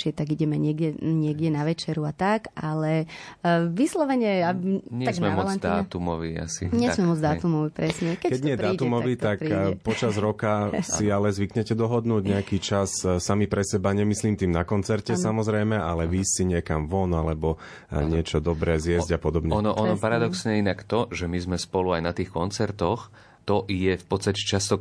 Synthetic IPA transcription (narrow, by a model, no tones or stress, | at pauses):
ɪɛt̪aɡiɟɛmɛɲɪɛɡɟɛɲɪɛɡɟɛnaʋɛt͡ʃɛɾuat̪akalɛ | ʋislɔʋɛɲɛaɲasɡnmɛalaand̪at̪umɔ̰ʋḭa̰sḭɲɛmɛmɔd͡zd̪aːt̪umɔʋipɾɛsɲɛkɛkɛɲɪɛdɾaːumɔʋit̪akɾiɛpɔt͡ʃazɾɔkasialɛzʋikɲɛcɛd̪ɔɦɔd̪nuːɟɲɛakiːt͡ʃassamipɾɛsɛbaɲɛmisliːmt̪iːmnakɔnt͡sɛɾcɛsamɔzɾɛjmɛalɛʋiːsiɲɪɛkamʋɔnalɛbɔ | ɲɪɛt͡ʃɔd̪ɔbɾɛːzjɛzɟapɔd̪ɔbɲɛɔnɔʔɔnɔpaɾad̪ɔksɲɛinakt̪ɔʒɛmizmɛspɔluajnat̪iːxkɔnt͡sɛɾt̪ɔx | t̪ɔjɛfpɔt̪st̪acɛt͡ʃast̪ɔ